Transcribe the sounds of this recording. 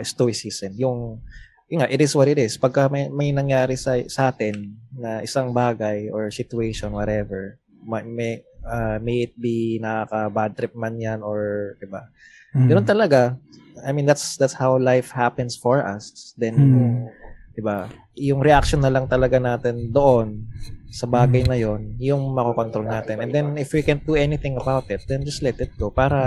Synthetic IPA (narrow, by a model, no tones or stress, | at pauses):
ɪst̪uɪsiːsɛnjʊŋ | juŋaʔɪt̪ɪswɐt̪ɪt̪ɪspɐɡ̚kɐmɐjmɐjnɐŋjaːɾɪsɐsʔaːt̪ɪnːɐʔɪsaŋbaːɡɐjʔɔɹsɪt̪ʊeʃɔnwɔt̪ɛvɛɹ | mɐmɛamejɪt̪̚binɐkakɐbadt̪ɾɪp̚manjanɔɹd̪ɪba | ɡɐnont̪ɐlɐɡa | ajmĩnd̪at̪sd̪at̪shawlajfhapɛnsfɔɹʔɐ̰sd̪ɛn | d̪̥ɪba | jʊŋɾɛʔakʃɔnːɐlɐŋt̪ɐlɐɡanaːt̪ɛnd̪oʔonsɐbaːɡɐjnɐjo̞njʊŋmɐkokont̪ɾolnaːt̪ɛnʔɛ̃nd̪ɛnɪfwikɛ̃nt̪̚d̪uɛnɪθɪ̃ŋɐbawt̪ɪt̪̚d̪ɛnd͡ʒɐst̪lɛt̪ɪt̪̚ɡopaːɾɐ